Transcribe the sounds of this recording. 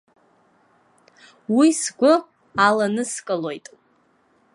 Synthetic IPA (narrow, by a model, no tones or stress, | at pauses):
wisɡʷʊ | alanɨskʼɨlo̞jtʼ